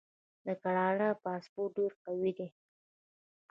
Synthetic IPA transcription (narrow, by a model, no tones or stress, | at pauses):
d̪əkaɽɑɽapɑspoʈ̚ɖeɾqawid̪i